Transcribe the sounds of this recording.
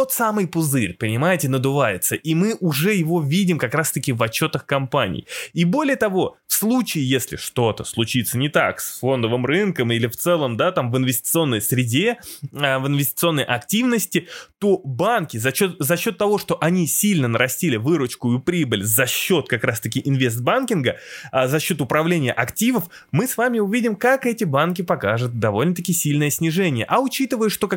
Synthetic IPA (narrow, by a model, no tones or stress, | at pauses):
t̪ot̪samɨjpʊzɨɾʲpənʲɪmajɪtʲɪnəd̪ʊvajɪt̪səʔimɨʔʊʐɛjɪvo̞vʲidʲɪmkɐkɾast̪əkʲɪvɐt͡ɕːo̞t̪əxkɐmpanʲɪ̰jibo̞lʲɪjət̪ɐvo̞fslˠut͡ɕɪːjesʲlʲɪ̰ʂt̪o̞t̪əslˠʊt͡ɕit̪sənʲɪt̪a̰ksfo̞nd̪əvɨmrɨnkəmilʲɪft̪sɛlˠəmd̪at̪amvɨnvʲɪsʲtʲɪ̥t̪sɨo̞nːəjsɾʲɪdʲeəvɨnvʲɪsʲtʲɪt̪sɨo̞nːəjʔɐktʲivnəsʲtʲɪt̪o̞bankʲɪzɐɕo̞t̪zɐɕːo̞t̪ːɐvo̞ʂt̪o̞ʔɐnʲisʲilʲnənəɾʔɐsʲtʲilʲɪvɨɾʊt͡ɕkʊjʊpɾʲibəlʲzɐɕːo̞t̪̚kɐkɾast̪əkʲɪʔɪnvʲe̞st̪̚bankʲɪnɡəazɐɕːo̞t̪ʊpɾɐvlʲenʲɪjəʔɐktʲivəf | mɨsvamʲɪʊvʲidʲɪmkakɛtʲɪbankʲɪpɐkaʐʊt̪̚d̪ɐvo̞lʲnət̪̬ɐkʲisʲilʲnəjəsʲnʲɪʐɛnʲɪjəʔɐʊt͡ɕit̪ɨvəjʊʂt̪o̞k